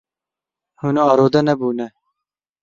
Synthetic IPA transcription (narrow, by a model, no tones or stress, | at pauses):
hunɑːɾoːd̪ɐnɐbuːnɛ